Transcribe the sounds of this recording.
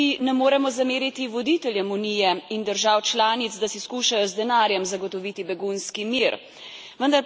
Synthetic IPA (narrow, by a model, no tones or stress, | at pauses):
inɛmoːɾɛmɔzameːɾit̪iʋɔd̪it̪ɛljɛmuniːjɛind̪əɾʒawt͡ʃlaːnit̪zd̪asiskuːʃajɔzd̪ɛnaːɾjɛmzaɡɔt̪ɔʋiːt̪ibɛɡunskimiːɾ | ʋənd̪aɾ